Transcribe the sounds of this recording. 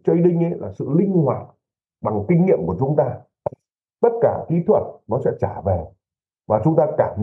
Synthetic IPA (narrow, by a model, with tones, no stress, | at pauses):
t͡ɕɔ˧i˧˦ɗï˧ŋ̟ʔə˧˦˥jla̰ː˨˩sɨ̰˧˨lï˧ŋ̟hwaː˨˩t̚ | ɓa˨˩ŋkï˧ŋ̟ŋḭ˧˨əmku˧˩ət͡ɕʊ˨˦ŋ͡mt̪aː˧ | t̪ə˦˥t̚kaː˧˩t̪ʰi˨˦t̪ʰwə˨˩t̚nɔ˨˦sɛ̰˧˥t͡ɕaː˧˩ve˨˩ | vaː˨˩t͡ɕʊ˨˦ŋ͡mt̪aː˧kaː˧˩